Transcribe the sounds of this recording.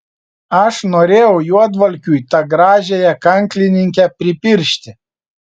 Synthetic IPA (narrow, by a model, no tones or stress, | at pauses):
ɐʃnoːɾʲeːjɛʊjuɔd̪ʋɐlʲkʲujt̪ɑɡɾɑːʒʲejɛkɐŋʲklʲɪnʲɪŋʲkʲɛpʲɾʲɪpʲɪɾʲʃʲt̪ʲɪ